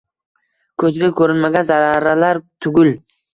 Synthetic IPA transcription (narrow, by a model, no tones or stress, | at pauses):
kʰɵzɡʲakʰɵɾɪnmaɡʲanzaɾaɾalaɾt̪ʰʊɡʲʊl